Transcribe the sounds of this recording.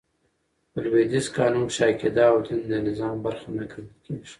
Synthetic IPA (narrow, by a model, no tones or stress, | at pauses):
əlwed̪ɪskɑːnumʃɑːked̪ɑːwt̪ʰɪnd̪ənɪzɑːmbaɾxanakɾlkʰeʒi̥